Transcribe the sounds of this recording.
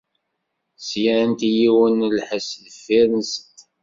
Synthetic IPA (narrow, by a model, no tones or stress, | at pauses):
sjæænt̪ijiwənlħəsðəfːiɾənsət̪